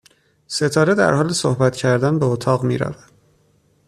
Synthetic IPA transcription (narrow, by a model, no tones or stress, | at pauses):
se̞t̪ʰɒːɾed̪æ̰ɾhɒːlesohbæt̪cʰæɾd̪ænbeot̪ʰɒːɣmiːɾæ̰væd̪̥̚